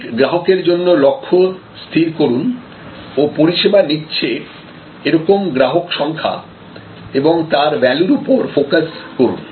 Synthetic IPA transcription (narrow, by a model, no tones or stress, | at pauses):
ɡɾaɦokeɾd͡ʑonːolɔkʰːo | st̪ʰiɾkoɾun | opoɾiʃebanitːɕʰe | eɾɔkomɡɾaɦokʃɔŋkʰa̰ | eboŋt̪aɾbɛluɾupoɾfokaskoɾṵn